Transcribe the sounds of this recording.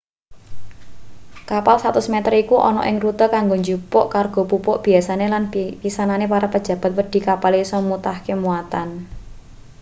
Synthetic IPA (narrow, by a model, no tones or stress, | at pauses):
kapalsat̪ʊsmɛt̪ərikuʔɔ̰nɔ̰ʔɪŋrut̪əkaŋɡoɲd͡ʒupɔʔkarɡ̥o̤pupɔʔb̥i̤asanelanpisananepaɾapəd̥d͡ʒ̥ä̤b̥a̤t̪̚wəɖ̥i̤kapalesɔmut̪ahkemuat̪an